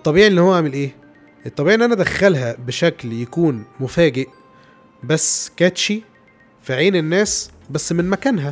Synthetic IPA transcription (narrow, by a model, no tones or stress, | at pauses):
t̪ˤːɑbiːʕiʔelːiːhowːæʕaʕmelʔeː | ʔet̪ˤːɑbiʕienːiʔænæd̪æxːælɦæbeʃækljækuːnmofæːɡeʔ | bæsːkæt̪ʃi | fiʕiːnenːæːs | bæsːmenmækæːnɦæ